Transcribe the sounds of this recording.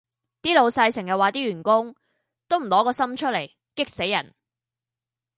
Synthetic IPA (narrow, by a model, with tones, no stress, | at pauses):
t̪iː˥lo˨˧wsɐ˧jsɪ˨˩ŋjɐ˨˩waː˨˧t̪iː˥ɥyː˨˩nkʊ˥ŋ | t̪o˥wm̩˨˩lɔː˨˥kɔː˧sɐ˥mt͡ʃʰɵ˥t̚le˨˩j | kɪ˥k̚se˨˥jːɐ̰˨˩n